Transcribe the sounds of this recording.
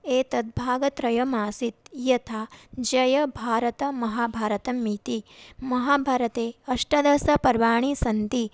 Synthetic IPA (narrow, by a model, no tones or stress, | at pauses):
eːt̪ɐd̪̚bʱaːɡɐt̪ɾɐjɐmaːsit̪jɐt̪ʰaːd͡ʒɐjɐbʱaːɾɐt̪ɐmɐɦaːbʱaːɾɐt̪ɐmit̪imɐɦaːbʱaːɾɐt̪eːɐʂʈɐd̪ɐsɐpɐɾʋaːɳ̃isɐnt̪i